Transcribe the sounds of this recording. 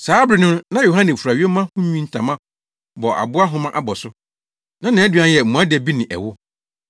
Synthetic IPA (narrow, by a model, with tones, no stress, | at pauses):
saː˨˦bɾɪ˨nʊ̃˦nã˦jo˨ɦã˦nɛ̃˨fu˨ɾa˨ɥi˦e˦mã˦hʊ̃˦ɲĩ˦n̩˨tʰã˨mã˦ | bɔ˨ʔa̰˨bʊ˦a˦ɦʊ̃˦mã˦ʔa˦bɔ˨sʊ˦ | nã˦nã˨˦æ˦dɥã˦n˦jɛ˨m̩˨mũ˨˦a˦dɛ˨bi˦nɪ̃˨ʔɛ̰˨wʊ˦